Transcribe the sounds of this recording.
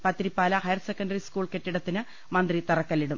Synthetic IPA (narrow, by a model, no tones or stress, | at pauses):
pɐt̪ːiɾipːaːlɐhɐjɐrsekːɐndɐriskuːɭkeʈːiɽɐt̪ːinɨ | mɐnd̪rit̪ɐrɐkːɐlːiɽum